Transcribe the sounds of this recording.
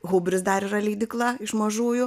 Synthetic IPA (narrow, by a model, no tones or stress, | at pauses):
ɣuːbʲɾʲɪsd̪ɐɾirɐlʲiːd̪ʲɪklˠɐɪʃmɐʒuːjʊ